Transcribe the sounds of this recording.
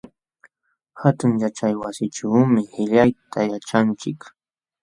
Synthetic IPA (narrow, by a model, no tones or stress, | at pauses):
hat̪ʊŋjat͡ʃajwasɪʈ͡ʂawmɪhɪʎajt̪ʰajat͡ʃaŋt͡ʃɪk